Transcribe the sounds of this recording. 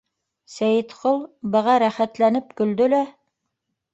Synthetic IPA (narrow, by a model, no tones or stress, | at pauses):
sæjɘt̪qolˠbɤ̆ʁɑɾæχæt̪lænɘp̚kɵ̆ld̪ɵlæ